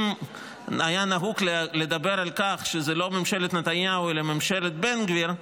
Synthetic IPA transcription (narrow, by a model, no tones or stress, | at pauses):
m | ajanaɦuklle̞d̪abeɾalkaχʃezelo̞memʃelet̪net̪anjawelememʃelet̪̚benɡviɾ